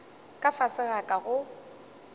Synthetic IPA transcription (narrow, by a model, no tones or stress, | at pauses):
kʼafasɪɣakʼaɣʊ